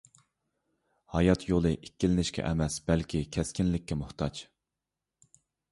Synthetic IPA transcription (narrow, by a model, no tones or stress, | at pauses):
hɑjɑt̪ʰjolˠɨʔikʲːilɪnɪʃkʲʰɛ̰ʔɛmɛsb̥ɛlkʲʰikʲʰɛskʲinlɪkʲːɛmʊht̪ʰɑt͡ʃ